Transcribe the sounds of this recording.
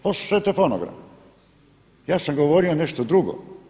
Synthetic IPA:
poslˠu̥ʃajot̪efonoɡɾa̰m | jaːsamɡoʋoɾioneʃt̪od̪ɾuɡo̰

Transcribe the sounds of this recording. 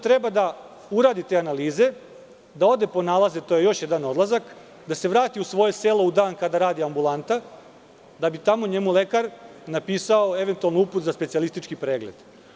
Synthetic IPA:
t̪ɾe̞bad̪a | uɾaːd̪it̪eːanaliːze̞ | d̪ao̞d̪e̞po̞nalˠazet̪oje̞jo̞ʃjed̪ano̞d̪lˠazak | d̪ase̞ʋɾaːt̪iusʋo̞je̞seːlo̞ud̪aːnkad̪aɾaːd̪iambulˠant̪a | d̪abit̪amoɲe̞mule̞kaɾnapiːsao̞e̞ʋe̞nt̪ualnouput̪zaspesialist̪it͡ʃkipɾeːɡled̪̥

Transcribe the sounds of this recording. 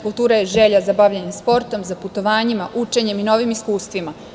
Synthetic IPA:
kulˠt̪uːɾajeʒeʎazabaʋʎaɲemspo̞ɾt̪o̞mzaput̪o̞ʋaːɲimaʔut͡ʃe̞ɲe̞mino̞ʋimiskuːst̪ʋima

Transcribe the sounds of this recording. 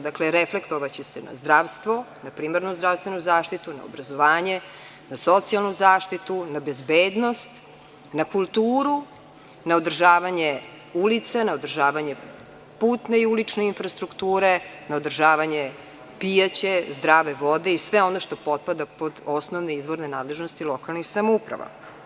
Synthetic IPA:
d̪akleɾefle̞kt̪oʋat͡ɕesena̰zd̪ɾaʋst̪ʋo̞ | napɾiːmaɾnuzd̪ɾafst̪venuzaːʃt̪it̪una̰o̰bɾazoʋaːɲe | naso̞t̪sialˠnuzaːʃt̪it̪unabe̞zbeːd̪no̞st̪ | nakulˠt̪uːɾu | naod̪r̩ʒaːʋaɲe | ulit̪senaod̪r̩ʒaːʋaɲe̞ | puːt̪ne̞iulit͡ʂneinfɾast̪ɾukt̪uːɾe̞naod̪r̩ʒaːʋaɲe | pijat͡ɕe̞zd̪ɾaːʋeʋo̞d̪e̞isʋeo̞no̞ʃt̪o̞po̞t̪̚pad̪apo̞d̪o̞snoʋneizʋo̞ɾnenaːd̪le̞ʒnost̪ilˠo̞kalˠnixsamoupɾa̰ʋa̰

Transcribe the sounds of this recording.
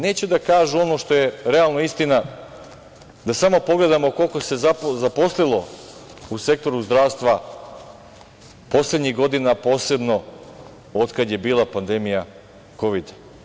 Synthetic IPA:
ne̞ːt͡ɕud̪akaːʒuo̞no̞ʃt̪o̞je̞ɾe̞alnoist̪ina | d̪asamo̞po̞ɡle̞d̪amo̞ko̞lˠko̞se̞zazapo̞slilˠo̞ | use̞k̚t̪o̞ɾuzd̪ɾaːʋst̪ʋa | po̞sle̞d̪ɲiɣɡo̞d̪inapo̞ːse̞bno̞ | o̞d̪kad̪je̞biːlˠapand̪e̞mija | ko̞ʋid̪

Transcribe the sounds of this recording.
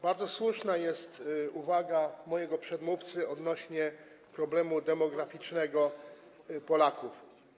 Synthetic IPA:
baɾd̪zɔswuʂnajɛst̪uvaɡamɔjɛɡɔpʂɛd̪muft̪sɘɔd̪nɔɕɲɛ | pɾɔblɛmud̪ɛmɔɡɾafʲit͡ʂnɛɡɔ | pɔlakuf

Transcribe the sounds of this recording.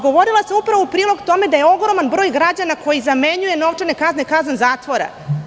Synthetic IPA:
ɡo̞ʋo̞ɾilasamupɾaʋoupɾiːlˠo̞ɡt̪o̞me̞d̪aje̞o̞ɡɾo̞manbɾoːjɡɾad͡ʑanako̞jizameɲuje̞no̞ʋt͡ʂenekaznekazanzaːt̪ʋo̞ɾa̰

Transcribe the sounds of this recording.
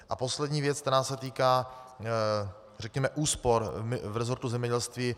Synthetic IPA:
ʔapo̞slɛdɲiːvjɛt͡sk̚t̪ɛɾaːsɛt̪iːkaː | rɛkɲɛmɛʔuːspo̞ɾvɾɛzo̞ɾt̪uzɛmɲɛɟɛlst̪viː

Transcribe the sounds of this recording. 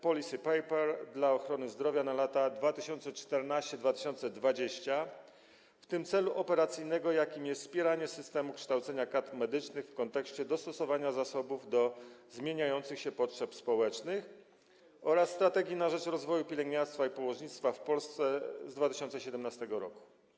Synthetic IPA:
pɔlʲisɘpɛjpɛɾd̪laɔxɾɔnɘzd̪ɾɔvʲjanalat̪ad̪vat̪ɘɕɔnt̪sɛt͡ʂt̪ɛɾnaɕt͡ɕɛd̪vat̪ɘ̥ɕɔnt̪sɛd̪vad͡ʑeɕt͡ɕa | ft̪ɘmt̪sɛluʔɔpɛɾat̪sɘjnɛɡɔjakʲimjɛst̪spʲjɛɾaɲɛsɘst̪ɛmukʂt̪awt̪sɛɲakat̪mɛd̪ɘt͡ʂnɘxfkɔnt̪ɛkɕt͡ɕɛd̪ɔst̪ɔsɔvaɲazasɔbuvd̪ɔzmʲjeɲajɔnt̪sɘxɕɛpɔtʂɛpspɔwɛt͡ʂnɘx | ɔɾasːt̪ɾat̪ɛɡʲjinaʐɛt͡ʂɾɔzvɔjupʲilɛŋɡɲaɾst̪faipɔwɔʐɲit̪st̪fafpɔlst̪sɛzd̪vat̪ɘ̥ɕɔnt̪sɛɕɛd̪ɛmnast̪ɛɡɔɾɔ̰ku̥

